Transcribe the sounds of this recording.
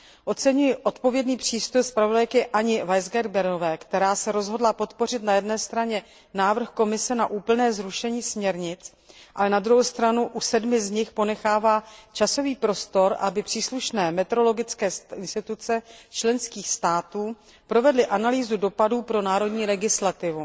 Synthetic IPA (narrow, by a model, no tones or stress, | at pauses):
ʔo̞t͡sɛɲujɪʔo̞t̪po̞vjɛdniːpr̝̥iːst̪ojspɾavodajkɪʔaɲɪvajzɡɛɾbɛɾnovɛːkt̪ɛɾaːsɛɾo̞zɦo̞dlapo̞t̪po̞rɪt̪najɛdnɛːst̪ɾaɲɛ | naːvr̩xko̞mɪsɛnaʔuːpl̩nɛːzɾuʃɛɲiːsmɲɛɾɲɪt͡s | ʔalɛnad̪ɾuɦowst̪ɾanuʔusɛdmɪzɲɪxpo̞nɛxaːvaːt͡ʃaso̞viːpɾo̞st̪o̞ɾʔa̰bɪpr̥iːsluʃnɛːmɛt̪ɛɾo̞lo̞ɡɪt͡skɛːsɪnst̪ɪt̪ut͡sɛt͡ʃlɛnskiːxst̪aːt̪uː | pɾo̞vɛdlɪʔanaliːzudo̞paduːpɾo̞naːɾo̞dɲiːlɛɡɪslat̪ɪvu